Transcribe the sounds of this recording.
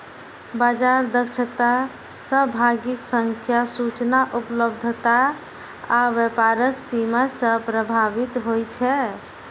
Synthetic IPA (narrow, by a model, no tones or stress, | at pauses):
bad͡ʒaɾd̪əkʃʰət̪a | səbʱaɡiksəŋkʰjasut͡ʃnaʔupləbd̪ʱt̪aː | ʋəpaɾəksimasəpɾəbʱabit̪ɦojt͡ʃʰɛ